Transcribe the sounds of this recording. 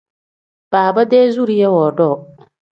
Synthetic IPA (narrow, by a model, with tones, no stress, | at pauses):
b̥aː˨ba˦dɛː˦zu˦ɾi˦jɛ˦wɔː˨dɔ˦˨